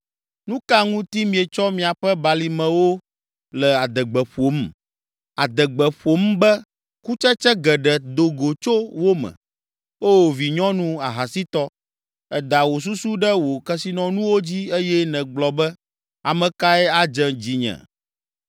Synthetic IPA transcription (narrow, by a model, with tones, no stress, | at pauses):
nũ˦ka˦ŋũ˦t̪i˦mĩ˨ɛ˨t͡ʃɔ˦mĩ˨a˨ɸɛ˦ba˨li˨mɛ̃˨wo˦ | lɛ˨a˨d̪ɛ˨ɡ͡bɛ˨ɸo˨˦m | a˨d̪ɛ˨ɡ͡bɛ˨ɸo˨mbɛ˦ | ku˦t͡ʃɛ˦t͡ʃɛ˦ɡɛ˨ɖɛ˨d̪o˨ɡo˨t͡ʃo˦wo˦mɛ̰̃˨ | o˦˨vi˨ɲɔ̃˦nũ˦a˨ɦa˨si˦t̪ɔ˦ | ɛ˨d̪a˨wo˨s̬u˦su˦ɖɛ˦wo˨kɛ˦si˦nɔ̃˦nũ˦wo˦d͡ʑi˦e˦jɛ˦nɛ̃˨ɡ͡blɔ˨bɛ˦ | a˨mɛ̃˨ka˦ɛ˦a˦d͡ʒɛ˦d͡ʑi˨ɲɛ̰̃˨